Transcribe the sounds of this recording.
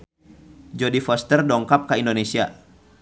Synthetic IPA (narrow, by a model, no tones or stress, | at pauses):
d͡ʒɔdifɔst̪ɛrdɔŋkap̚kaindonesia